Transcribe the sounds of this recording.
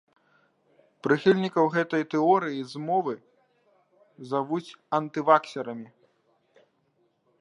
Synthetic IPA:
pɾɨxʲilʲnʲikɐwɣɛt̪ɐjt̪ɛɔɾɨjizmɔvɨ | zavut͡sʲɐnt̪ɨvaksʲɛɾɐmʲi

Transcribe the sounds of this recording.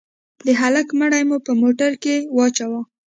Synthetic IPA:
pleɦalakməɽajmupəmoʈaɾkewɑt͡ʃawa

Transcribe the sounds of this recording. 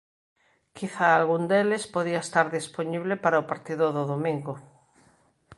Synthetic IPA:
kʰiθaalɣund̪elespoðiaest̪aɾðisponiβlepaɾaopaɾt̪iðʊðoðomĩŋɡo

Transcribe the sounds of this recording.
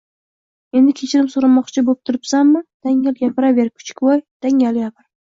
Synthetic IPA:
e̞nd̪ɪkʲʰe̞t͡ʃʰɪɾɪmsoɾɪmɒqt͡ʃʰɪbop̚t̪ʰʊɾɪpsamːɪd̪̥aŋaljapʰɪɾaveɾkʰʊ̥t͡ʃʰɪ̥kʲwɒjd̪̥aŋʲaljapɪɾ

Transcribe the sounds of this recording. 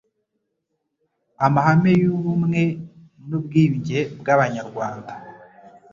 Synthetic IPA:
amahamejuβumŋe̞ | nubɡiːɲɟebɡaβaɲaɾɡwaːnda

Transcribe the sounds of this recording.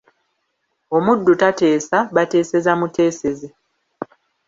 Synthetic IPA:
o̞mudːutate̞ːsaβate̞ːse̞zamute̞ːse̞ze

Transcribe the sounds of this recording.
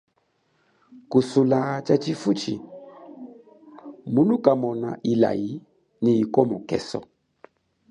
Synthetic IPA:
kusulat͡ʃat͡ʃifut͡ʃḭ | mulukamɔna̰ʔila̰ji | niikɔmukɛ̰sɔ̰

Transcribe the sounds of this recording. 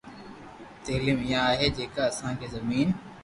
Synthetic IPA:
t̪eːlɪmɪjãaːɦeːd͡ʑeːkaɐsãkʰeːzɐmiːn

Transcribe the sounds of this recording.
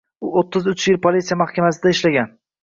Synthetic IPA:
ʊot̪ʰːɪzʊt͡ʃjɪlpʰolit̪sijamahkʲamasɪd̪aɪʃlaɡʲan

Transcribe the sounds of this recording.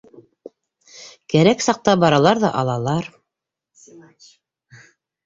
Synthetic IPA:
kæɾæksɑq̚t̪ɑbɑɾɑlˠɑɾðɑʔɑlˠɑlˠɑɾ

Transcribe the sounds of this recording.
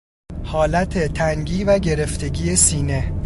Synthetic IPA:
hɒːlæt̪ʰet̪ʰæŋɟiːvæɟe̞ɾe̞ft̪ʰe̞ɟiːe̞siːne̞

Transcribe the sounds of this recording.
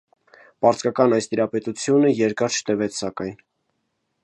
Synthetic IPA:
pɑɾt͡skɑkɑnɑjst̪iɾɑpɛt̪ut͡sʰjunəjɛɾkɑɾt͡ʃʰə̥t̪əvɛt͡sʰsɑkɑjn

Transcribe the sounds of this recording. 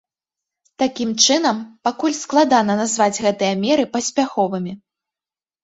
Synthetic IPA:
t̪akʲimt͡ʂɨn̪ɐmpakulʲsklˠad̪anɐnazvad͡zʲɣɛt̪ɨjɐmʲɛɾɨpɐsʲpʲaxɔvɨmʲi

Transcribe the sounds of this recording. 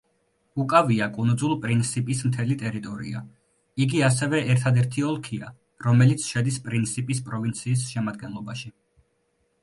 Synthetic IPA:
ukʼaviakʼund̪zulˠpʼɾint̪sʰipʼismt̪ʰɛlit̪ʼɛɾit̪ʼɔɾḭa̰ | iɡias̬ɛvɛɛɾt̪ʰad̪ɛɾt̪ʰiɔlˠkʰia | ɾɔmɛlit̪sʰʃɛd̪ispʼɾint̪sʰipʼispʼɾɔvint̪sʰiːs̬ʃɛmad̪̚ɡɛnlˠɔbaʃi

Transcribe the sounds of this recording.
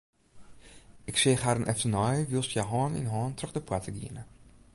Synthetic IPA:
ɪkseːχharənʔɛftənɔjʋilˠsjɛɦɑːnɪ̰nɦɑːntrɵχdəpwatəɡḭənə

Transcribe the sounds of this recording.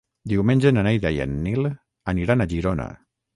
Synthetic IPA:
d̪iwmenʲd͡ʒenanejðajə̰nːil | əniɾanaʒiɾona̰

